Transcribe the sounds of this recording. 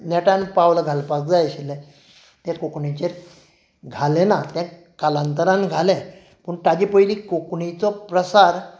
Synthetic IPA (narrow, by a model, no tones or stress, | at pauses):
nɛʈãnpawləɡʱalpak̚d͡zajɕilɛ̃ | t̪ɛ̃kokɳit͡ɕeɾ | ɡʱalenat̪ɛ̃ | kalant̪əɾãnɡʱalɛ | pəɳʈad͡ʑipəilikokɳit͡sɔpɾəsaɾ